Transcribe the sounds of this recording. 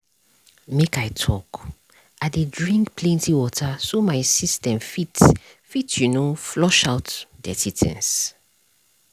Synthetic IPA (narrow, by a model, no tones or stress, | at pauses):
mekajtʰɔk | adedɹĩŋkpʰlɛ̃ntiwɔtʰasomaɪsistɛ̃mfit | fitjunoflɔʃawtdɛ̰titʰɛ̰̃ns